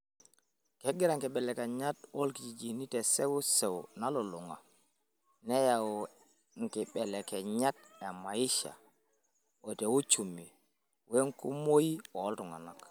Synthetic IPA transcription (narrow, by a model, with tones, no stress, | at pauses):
ke˦ɡi˦ɾa˨ŋkɛ˨ɓɛ˨le˨ke˨ɲa˦two˦lki˨d͡ʒi˨d͡ʒi˨ni˦te˨se˦wu˦se˨wna˦lo˨lu˨ŋa̰˨ | ne˦ja˨w | ŋki˨ɓɛ˨le˨ke˨ɲa˦t̚e˨ma˨i˦ʃa̰˨ | wo˨te˨wu˦t͡ʃu˨mːi˨ | we˦ŋku˦mo˦ji˦wo˨˦ltu˨ŋa̰˨na˨k